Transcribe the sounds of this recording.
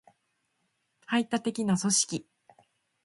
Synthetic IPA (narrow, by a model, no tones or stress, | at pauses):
hait̪ːat̪e̞kʲinaso̞ɕi̥kʲi